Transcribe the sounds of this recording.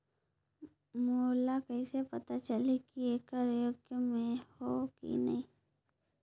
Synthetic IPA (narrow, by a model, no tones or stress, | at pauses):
moːlakɐisepɐt̪at͡ʃəlikieːkaɾjoːɡjəmẽhokḭnɐ̰ɦĩː